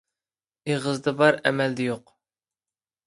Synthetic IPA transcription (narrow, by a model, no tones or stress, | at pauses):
eʁəzd̪ɨbɑɾɛ̰mɛld̪ɛjoq